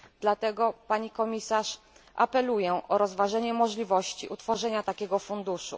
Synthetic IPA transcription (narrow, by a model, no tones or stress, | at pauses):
d̪lat̪ɛɡɔpaɲikɔmʲisaʂ | ʔa̰pɛlujɛʔɔɾɔzvaʐɛɲɛmɔʐlʲivɔɕt͡ɕḭʔut̪fɔʐɛɲat̪akʲɛɡɔfund̪uʂṵ